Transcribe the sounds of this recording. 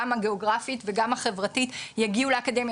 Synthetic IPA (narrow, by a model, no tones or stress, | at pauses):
amhaɡeo̞ɡʁafitve̞ɡamhaχe̞vʁatitjaɡiuleakade̞mj